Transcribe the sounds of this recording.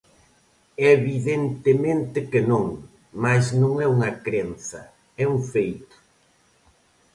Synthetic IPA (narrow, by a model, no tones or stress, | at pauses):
eβiðent̪ɪmẽnt̪ɪkɪnõŋ | maznõŋɛuŋɐkɾenθɐ | ɛuŋfejt̪ʊ̥